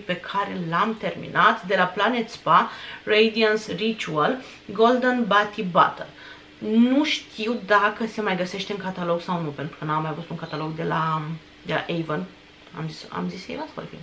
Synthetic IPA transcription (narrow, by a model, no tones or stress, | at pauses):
pe̞kʰaɾe̞lamt̪e̞rmḭnʔat̪d̪e̞laplanet̪sparejd̪iansrit͡ʃual | ɡo̞ld̪ənbat̪iba̰t̪ə̰l | nuʃt̪ʰiwd̪akəse̞majɡəse̞ʃt̪eɨŋkat̪alo̞ɡsawnupe̞nt̪ɾu̥kənamːajavut̪uŋkat̪alo̞ɡd̪e̞la | d̪e̞la̰ʔejvən | a̰mzisa̰mzisḛjvasfo̰rfḭ